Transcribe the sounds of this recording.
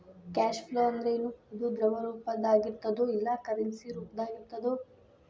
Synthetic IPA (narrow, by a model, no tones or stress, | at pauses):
kaːʃfleɐnd̪ɐɾeinuːud̪ud̪ɾɐʋɐɾuːpɐd̪aːɡiɾt̪ɐd̪uilːɐkɐɾɐnsiɾuːpd̪aːɡiɾt̪ɐd̪o